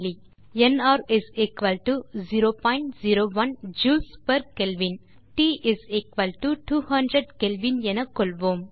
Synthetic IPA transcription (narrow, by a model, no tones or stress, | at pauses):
li | ɛnaːɾɪzekʋɐlʈuziɾoːpɔ̃ɪ̃ɳʈziɾoːʋɐnd͡ʒuːlspɐɾkɛlʋin | ʈiːʔɪzekʋɐlʈuʈuːhɐ̃ɳɖɾəɖkɛlʋĩnɛnɐkɔlʋoːm